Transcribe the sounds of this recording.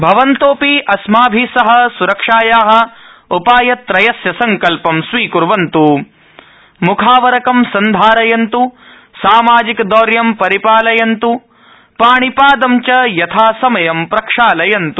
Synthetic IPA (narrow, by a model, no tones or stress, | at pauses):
bʱɐʋɐnt̪oːpiʔɐsmaːbʱisɐɦɐ̆suɾɐkʂaːjaːɦɐ̆upaːjɐt̪ɾɐjɐsjɐsɐŋkɐlpɐmsʋiːkuɾʋɐnt̪u | mukʰaːʋɐɾɐkɐmsɐnd̪ʱaːɾɐjɐnt̪u | saːmaːd͡ʒikd̪ɔːɾjɐmpɐɾipaːlɐjɐnt̪u | paːɳipaːd̪ɐmt͡ʃɐjɐt̪ʰaːsɐmɐjɐmpɾɐkʂaːlɐjɐnt̪u